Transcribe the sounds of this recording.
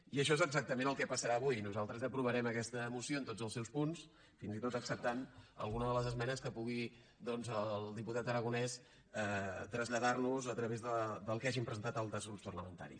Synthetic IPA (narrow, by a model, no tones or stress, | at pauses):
iəʃ̬ɔezəɡzak̚t̪əmẽnəlˠkɛpəsəɾaəβujnuzalˠt̪ɾəzəpɾuβəɾɛməkɛst̪əmusioənt̪od͡zəlˠsɛwspuns | finzit̪ot̪əksəp̚t̪anə̰lˠɣunəðələzəzmɛnəskəpuɣi | d̪ɔnzəlˠd̪iput̪at̪əɾəɣunɛs | ɛt̪ɾəzʎəðarnuzət̪ɾəβezðəd̪əlˠkaʒimpɾəzənt̪at̪əlˠd̪əzɣɾupspərləmənt̪a̰ɾḭ